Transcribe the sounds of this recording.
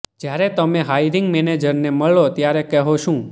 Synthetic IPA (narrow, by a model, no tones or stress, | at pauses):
d͡ʒjaɾɛt̪əmeɦaiɾɪŋɡmened͡ʒəɾneməɭot̪jaɾekɛɦoʃũ